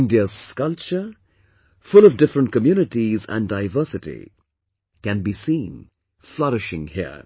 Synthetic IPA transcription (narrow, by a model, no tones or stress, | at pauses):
ndiəzkʌlt͡ʃə | fʊlɔvdɪfɾə̃nt̚kəmjunɪʈizæ̰̃ndaɪvəːsɨtḭ | kæ̃nbisĩːn | flʌɾɪʃɪ̃ŋhḭə̰